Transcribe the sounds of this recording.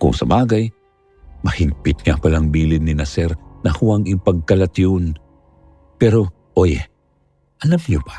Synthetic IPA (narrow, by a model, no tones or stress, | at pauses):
kʊ̰ŋsɐbaːɡɐj | mɐhɪŋpɪt̪̚ŋapɐlaŋbiːlɪnːɪnɐsɛɾnɐhʊaŋɪŋpɐɡ̚kɐlɐt̪on | pɛɾo | ʔojɛ | ʔɐlamɲobḁ